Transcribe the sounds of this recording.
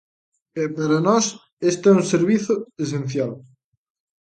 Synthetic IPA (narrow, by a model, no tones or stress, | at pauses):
ɛpaɾɐnɔs | est̪oɛunseɾβiθʊes̬en̟θjal